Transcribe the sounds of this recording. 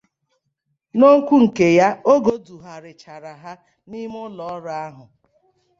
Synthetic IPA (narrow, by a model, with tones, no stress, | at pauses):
no˦ŋ̩˦kʷu˦ŋ̩˨ke˨ja˦o˦ɡo˦du˨ɦa˨ɾɪ˨t͡ʃa˨ɾa˨ɦa˦ | ni˦m˦ʊ˦lɔ˨˦ɾa˨a˦ɦʊ˨